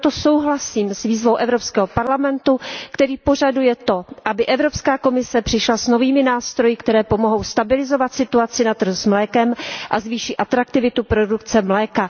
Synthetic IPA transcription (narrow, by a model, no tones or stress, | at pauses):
t̪o̞so̞wɦlasiːmsviːzvo̞wʔɛvɾopskɛːɦopaɾlamɛnt̪ukt̪ɛɾiːpo̞ʒ̝adujɛt̪o̞ʔabɪʔɛvɾo̞pskaːko̞mɪsɛpr̥ɪʃlasno̞viːmɪnaːst̪ɾo̞jɪkt̪ɛɾɛːpo̞moɦo̞wst̪abɪlɪzo̞vat̪sɪt̪uat͡sɪnat̪r̩uzmlɛːkɛmʔazviːʃiʔat̪ɾak̚t̪ɪvɪt̪upɾo̞dukt͡sɛmlɛːka